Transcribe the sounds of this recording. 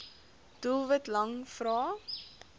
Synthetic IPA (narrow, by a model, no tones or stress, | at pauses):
d̥ulˠvətlɐŋfɾɑː